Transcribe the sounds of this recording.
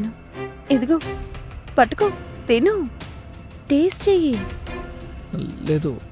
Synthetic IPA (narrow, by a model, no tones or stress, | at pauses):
nu | ed̪uɡoːpɐʈːukot̪enu | ʈeːst͡ʃeːji | leːd̪ṵ